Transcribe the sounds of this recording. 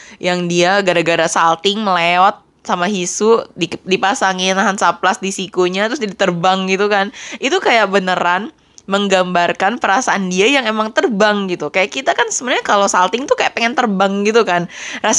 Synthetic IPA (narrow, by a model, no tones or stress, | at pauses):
jaŋdiaɡaɾaɡaɾasalt̪ɪŋməleɔt̪̚ | samaɦisudidipasaŋɪnaɦansaplasdisikuɲat̪ɾʊs̬d͡ʒadit̪ərbaŋɡit̪ukanit̪ukajaʔ̚bənəɾan | məŋɡambarkanpəɾasaʔːndiajaŋemaŋt̪ərbaŋɡit̪ukajaʔkit̪akansəbənɲakalosalt̪ɪŋt̪ukajaʔpeŋɛnt̪ərbaŋɡit̪ukanras